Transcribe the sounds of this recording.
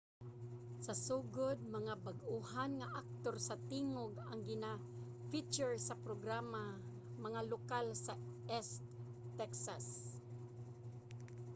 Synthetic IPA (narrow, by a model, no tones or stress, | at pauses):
sasuɡʊd̪̚maŋabaɡuhanŋaʔak̚t̪orsat̪iŋoɡaŋɡɪna | fit͡ʃʊɹsapɾoɡɾama | maŋalokalsaɛst̪ | t̪ːɛksas